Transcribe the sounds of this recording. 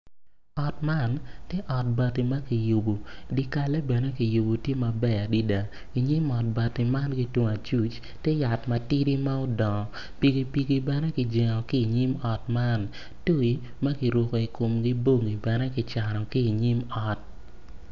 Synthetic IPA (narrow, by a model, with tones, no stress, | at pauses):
ɔ˨tma˦˨ntjɛ˦ʔɔ˨t̚ba˨tːi˨ma˦ki˨ju˨bo˨di˦ka˨lɛ˦bɛ˨nɛ˦ki˨ju˨bo˨tje˦ma˨bɛ˦˨a˨di˦da˨ | i˨ɲi˦mɔ˨t̚ba˨tːi˨ma˦nɡi˦two˨ŋa˨t͡ʃu˦t͡ʃ | te˦ja˨tmɐ˨ti˦ɾi˦ma˦o˦dɔ˨ŋɔ˨ | pi˨ɡe˨pi˨ɡe˨bɛ˨nɛ˦kɪ˨d͡ʒe˨ŋɔ˨ki˦i˨ɲi˦mɔ˨tma˦n | to˦i˨ | mɐ˦ki˨ɾwo˨ko˨i˨ko˨mɡi˦bo˦˨ŋi˨bɛ˨nɛ˦kɪ˨t͡ʃa˨nɔ˨ki˦i˨ɲi˦mɔ˨t̚